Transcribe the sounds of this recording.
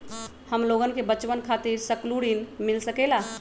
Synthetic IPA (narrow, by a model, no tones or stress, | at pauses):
həmloɡənkebət͡ʃʋənkʰat̪iɾsəkluɽinmilsəkela